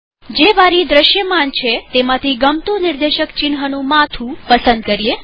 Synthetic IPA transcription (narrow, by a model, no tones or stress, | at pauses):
d͡ʒeʋaɾid̪ɾəʃjəmant͡ʃʰet̪emãt̪ʰiɡəmt̪ũnɪɾd̪eʃəkt͡ʃɪnɦənũmat̪ʰũpəsənd̪kəɾie